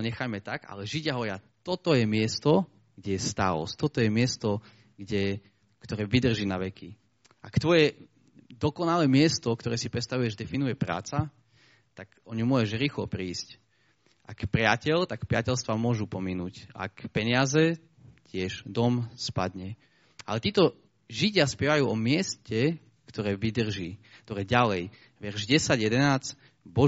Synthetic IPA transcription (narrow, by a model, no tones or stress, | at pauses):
ɔɲɛxajmɛt̪aɡa̰lɛʒiɟaɦɔʋɾɪa | t̪ɔt̪ɔjɛmɪɛst̪ɔ | ɡ̥ɟɛjɛst̪alɔ̰st̪ɔt̪ɔjɛmɪɛst̪ɔ | ɡɟɛ | kt̪ɔɾɛːʋid̪r̩ʒiːnaʋɛkʰi | ʔakt̪ʋɔjɛ | d̪ɔkɔnalɛːmɪɛst̪ɔkt̪ɔɾɛːsipɾɛt̪st̪aʋujɛʒd̪ɛfinujɛpɾa̰ːt͡sa | t̪akɔɲumʊɔɛʒɾiːxlɔ̰pɾiːsc | ʔa̰kpɾɪacɛʎt̪akpɾɪacɛlst̪ʋamʊɔʒupɔminuːca̰kpɛɲɪazɛ | cɪɛʒd̪ɔmspa̰d̪ɲɛ | ʔa̰lɛt̪iːt̪ɔ | ʒiɟɪaspɪɛʋajuːɔmɪɛscɛ | kt̪ɔɾɛːʋid̪r̩ʒiːkt̪ɔɾɛːɟalɛj | ʋɛrʒɟɛsaɟjɛd̪ɛnaːt͡s | bɔ